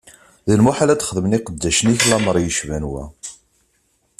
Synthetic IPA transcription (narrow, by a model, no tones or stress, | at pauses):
ðəlmuħalæt͡s̪χəðməniqəd̪ːæʃəniçlɑməɾˤjəʃvænwæ̰